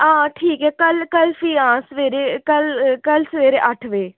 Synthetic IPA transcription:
ãːʈʰiːkɦɛːkəlkəlpʰiːãːsəʋeːɾeːkəlkəlsəʋeːɾeʔəʈʰʋeː

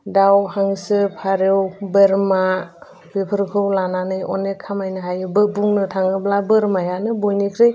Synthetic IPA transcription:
dawhaŋsɯpʰaɾewbeɾma | bepʰɯɾkʰɯwlananɯjɔnekʰːamajnɯɦajɯbɯbuŋnɯtʰaŋɯblabɯɾmajanɯbojnikʰɾej

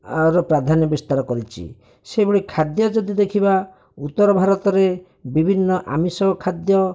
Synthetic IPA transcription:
aɾɔpɾad̪ʱanjɔbist̪aɾɔkɔɾit͡ʃʰḭ | sebuɽikʰad̪jɔd͡ʒɔd̪id̪ekʰiba | ut̪ːɔɾɔbʱaɾɔt̪ɔɾe | bibʱinːɔʔa̰misɔbɔkʰad̪jɔ

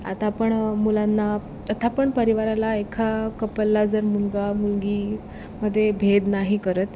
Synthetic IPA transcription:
a̰t̪apəɳmulanːa | ət̪ʰapəɳpəɾiʋaɾalaekʰakəpəlːad͡zəɾmulɡamulɡi | məd̪ʱːjebʱed̪naɦikəɾət̪

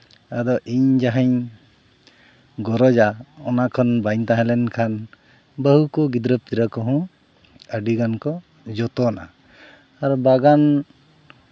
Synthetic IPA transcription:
ad̪ɔʔiɲd͡ʒaɦaɲ | ɡɔɾɔd͡ʒaɔnakʰɔnbaɲt̪ãɦɛ̃lɛnkʰan | bəɦukɔɡid̪ɾəp̚t̪iɾakɔɦɔ̃ | əɖiɡankɔ | d͡ʒɔt̪ɔna̰ː | ɾɔbaɡan

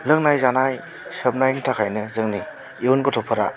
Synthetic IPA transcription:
lɯŋnajzanaj | səp̚najntʰakʰajnɯzɯŋni | unkɔtʰɔpʰɯɾa̰

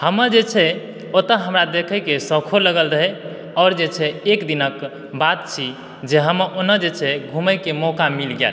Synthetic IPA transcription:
həməɾd͡ʒet͡ʃʰɛ | ot̪əɦəmɾad̪ekʰəkesəkʰoləɡəlɾəɦɛ | ɔɾd͡ʒet͡ʃʰɛekd̪inək | bat̪̚t͡ʃʰi | d͡ʒeɦəməʔonəd͡ʒet͡ʃʰɛɡʱuməkemɔkamilɡḛl

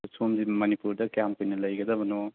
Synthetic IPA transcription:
somdimɐnipuɾd̪ɐkjampɐjnɐlɐjɡɐd̪ɐbɐno

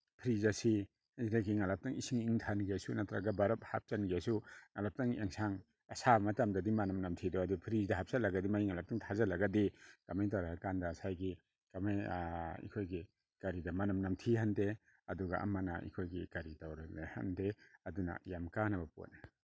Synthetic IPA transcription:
pʰɾizasi | zinaɡiŋalap̚taŋisiŋiŋtʰanɡiasunatʰɾa̰ɡabaɾɐp̚hap̚t͡ʃanɡiasuŋalap̚taŋḛŋsʰaŋ | ɐsamatamdɐdimanɐmnamtʰidɔadupʰɾizdɐɦap̚salaɡadimaiŋalap̚taŋtʰazalɐɡadikamajt̬awɾaakandasajɡi | kamajḭkʰojɡi | kaɾidɐmanɐmnamtʰihande | ɐduɡa̰ʔɐ̰manaḭkʰojɡikaɾitawɾanaha̰ndeɐduna̰jamkanabɐpo̰na

